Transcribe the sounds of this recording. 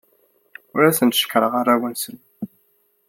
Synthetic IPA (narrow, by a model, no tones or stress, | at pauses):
ʊɾæθənt̪ʃə̥kːɾˤəʁaɾˤæwənsən